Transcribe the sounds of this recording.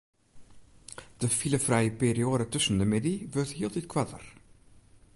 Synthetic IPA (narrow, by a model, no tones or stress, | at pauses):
d̥əfiləfrɛjəpeːɾioːdətɵsəndəmɪdivʏrtɦiːlˠtitkʰwatə̰r